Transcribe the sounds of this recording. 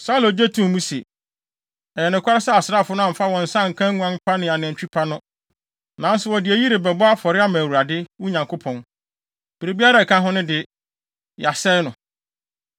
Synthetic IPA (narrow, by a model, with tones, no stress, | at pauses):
sa˦u˦lo˨d͡ʑe˦tʰũ˦m˨mũ˦sḛ˨ | ɛ˨jɛ˨nɪ̃˨kʰʷa˦ɾɪ˦sa˦˨a˨sɾaː˦˨fʊ˦nʊ̃˦a˨fa˦wɔ̃˨n̩˨sã˦˨ŋ̩˨kʰã˦ŋũ˦ã˦m˦pʰa˦nɪ̃˨a˨nɪ̃˨t͡ɕᶣi˦pʰa˦nʊ̃˦ | nã˨n̩˦sʊ˨wɔ˨dɪ˨æ˨ji˦ɾɪ˨bɛ˨bɔ˦a˦fɔ˨ɾɪ˦a˦mã˨wu˨ɾa˨dɪ˦wu˦ɲã˨ŋkʰo˦pʰɔ̃˨n | b̥e˨ɾe˨bi˦a˦ɾa˨kʰã˦ɦʊ̃˦nʊ̃˦dɪ˨ | ja˨sɛ˦nʊ̃˨